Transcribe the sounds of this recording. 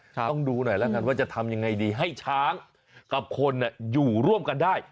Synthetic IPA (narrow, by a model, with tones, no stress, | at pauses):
ŋduː˧nɔ˨˩jlɛ˦˥˩ka˧nwaː˥˩t͡ɕa˨˩t̪ʰa˧mja˧ŋːa˧jdiː˧ɦa˥˩jt͡ɕʰaː˦˥ŋ | ka˨˩p̚kʰo˧nːi˧˨˩juː˨˩ɾu˥˩əmka˧ndaː˥˩j